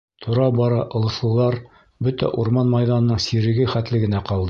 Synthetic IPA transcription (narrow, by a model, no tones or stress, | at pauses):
t̪ʰŏɾɑbɒɾɑʔɤ̆lˠɤ̆slˠɤ̆lˠɑɾ | bɵt̪æ̰ʔuɾmɑnmɑjðɑnɤ̆nɤɴsiɾɘ̆ɡɘχæt̪lɘɡɘ̆næqɑlˠd̪ɤ